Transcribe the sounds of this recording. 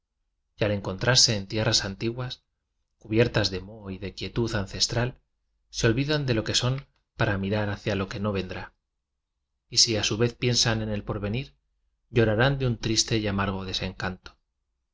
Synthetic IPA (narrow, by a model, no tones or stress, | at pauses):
jale̞ŋko̞nt̪ɾaɾse̞ːnt̪je̞rasant̪iɣwas | kuβje̞ɾt̪azðe̞mo̞iðe̞kje̞t̪uθanθe̞st̪ɾal | seo̞lβiðand̪e̞lo̞ke̞so̞m | paɾamiɾaɾaθjalo̞ke̞no̞β̞e̞nd̪ɾa | isiasuβe̞θpje̞nsane̞ne̞lpo̞ɾβe̞niɾ | ɟ͡ʝo̞ɾaɾand̪eunt̪ɾist̪e̞jamaɾɣ̞o̞ðe̞se̞ŋkant̪o